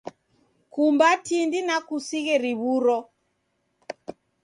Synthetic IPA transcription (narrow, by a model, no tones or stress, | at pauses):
kumbatindinakusiɣɛɾiβuɾɔ